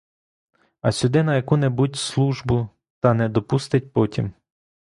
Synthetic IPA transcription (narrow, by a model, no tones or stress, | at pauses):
ɐsʲʊd̪ɪnɐjɐkunɛbutʲslˠuʒbʊ | t̪ɐnɛd̪ɔpust̪ɪt̚ʲpɔtʲḭm